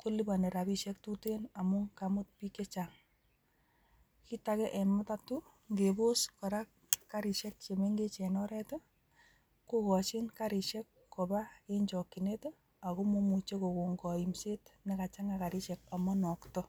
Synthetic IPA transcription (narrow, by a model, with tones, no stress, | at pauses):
ko˦li˦ba˨ne˨ɾa˨bi˦ʃɛ˦k̚tu˦tena˨mu˦kamʊ˦t̚pi˦ke˦t͡ʃa˨ŋ | ki˦takɛ˦ʔɛ˨mɔ˦ta˦tu˦ | ŋɡe˨bo˦skɔ˨ɾa˦k | kːa˦ɾi˨ʃɛ˦k̚t͡ʃe˨me˦ŋɡe˦t͡ʃɛ˨nɔɾɛtɔ˦ | ku˦kɔ˨t͡ʃɪ˦nka˦ɾi˨ʃɛ˦kːo˨ba˦e˦ɲt͡ʃɔ˨kːi˨ne˦to˦ | a˨ko˦mo˦mu˨t͡ʃe˦ko˨ko˨ŋɡɔ˨i˨mse˦tne˦ka˨t͡ʃa˦ŋa˨ka˨ɾi˦ʃɛ˨ka˨mɔ˦nɔ˨ktɔ